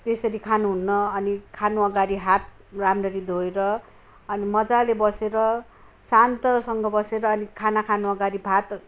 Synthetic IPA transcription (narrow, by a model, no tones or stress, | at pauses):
t̪esʌɾikʰanuɦunːʌʌnikʰanuʌɡaɾiɦat̪̚ | ramrʌɾid̪ʱoeɾʌ | ʌnimʌd͡zalebʌseɾʌ | sant̪ʌsʌŋɡʌbʌseɾʌːnikʰanakʰanuʌɡaɾibʱat̪